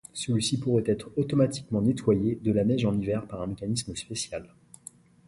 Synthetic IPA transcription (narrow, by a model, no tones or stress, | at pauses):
səlɥisipuʁɛt̪ɛt̪χot̪ɔmat̪i̥kmɑ̃net̪wajed̪əlanɛʒɑ̃nivɛʁpaʁɛ̃mekanisməspesjal